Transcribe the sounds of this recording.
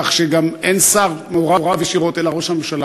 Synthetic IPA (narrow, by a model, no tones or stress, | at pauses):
χʃeɡamensaʁmeooʁaʁavjeʃiʁo̞t̪elaʁo̞ʃhamemʃala